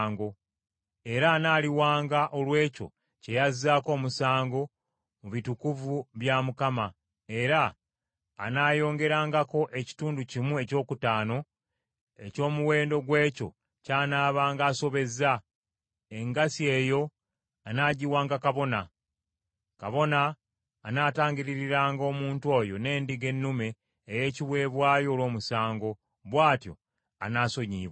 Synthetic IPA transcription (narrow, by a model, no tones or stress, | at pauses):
ŋɡo̞ | e̞ɾaːnaːliwaːŋɡaʔo̞lwe̞ːco̞̰ | ce̞jazaːko̞ːmusaːŋɡo̞ | muβitukuvuβjamukama | e̞ɾa̰ː | naːjo̞ːŋɡe̞ɾaːŋɡako̞ʔe̞ci̥tuːnducimue̞co̞ːkutaːno̞ | e̞co̞ːmuwe̞ːndo̞ɡwe̞ːco̞ | caːnaːβaːŋɡaːso̞βe̞za | e̞ŋɡasie̞ːjo̞ | anaːɟiwaːŋɡakaβo̞na | kaβo̞naː | naːtaːɲɟiɾiɾiɾaːŋɡo̞ːmuːntwo̞ːjo̞ne̞ːndiɡe̞nːume̞ː | je̞ːciβwe̞ːβwaːjo̞ːlwo̞ːmusaːŋɡo̞ | βwaːtjo̞̰ | a̰naːso̞ɲiːβwa